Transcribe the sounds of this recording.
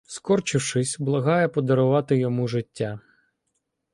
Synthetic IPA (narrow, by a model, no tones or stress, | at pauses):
skɔrt͡ʃɪwʃɪsʲblˠɐɦɑjɛpɔd̪ɔɾʊʋɑt̪ɪjɔmuʒɪtʲːa